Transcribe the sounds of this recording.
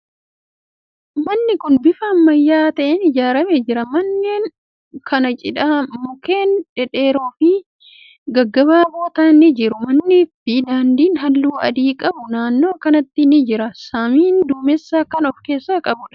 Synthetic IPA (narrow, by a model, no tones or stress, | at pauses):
mɐnːɪkʊnbɪfaːnːɐjːaːt̪ɐʔenɪd͡ʒaːɾɐmed͡ʒɪɾɐmɐnːeːn | kʰɐnɐt͡ʃʼɪᶑaːmʊke̞ːnᶑɛᶑe̞ːɾoːfɪ | ɡɐɡːɐbaːbo̞ːt̪aːnːɪd͡ʒɪɾʊmɐnːɪfid̪aːnd̪iːnɦɐlːuːɐ̰d̪iːkʼɐbʊnaːnːo̞ːkɐnɐt̪ːɪnɪd͡ʒɪɾɐsamiːnd̪uːmɛsːaːkːɐnɔfke̞ːsːaːkʼɐbʊᶑɐ̥